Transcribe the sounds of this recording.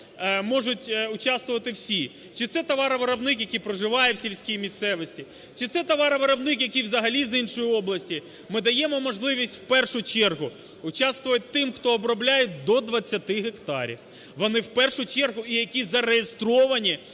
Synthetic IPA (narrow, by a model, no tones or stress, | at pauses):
mɔʒʊtʲʊt͡ʃɑst̪ʋʊʋɐt̪ɪwsʲi | t͡ʃɪt̪sɛt̪ɐʋɑɾɐʋɪɾɐbnɪkjɐkʲijpɾɔʒɪʋɑjɛwsʲilʲsʲkʲijmʲist̪sɛʋɔsʲtʲi | t͡ʃɪt̪sɛt̪ɐʋɑɾɐʋɪɾɐbnɪkjɐkʲijwzɐɦɐlʲizinʃɔjiɔblˠɐsʲtʲi | mɪd̪ɐjɛmɔmɔʒlˠɪʋʲisʲtʲw̥pɛrʃʊt͡ʃɛrɦʊ | ʊt͡ʃɑst̪ʋʊʋjʊt̚ʲt̪ɪmxt̪ɔːbɾɔblʲajɛd̪ɔd̪ʋɐt͡sʲːɐt̪ɪɦekt̪ɑ̰ɾʲḭw | ʋɔnɪwpɛrʃʊt͡ʃɛrɦʊijɐkʲizɐɾejest̪ɾɔʋɐnʲi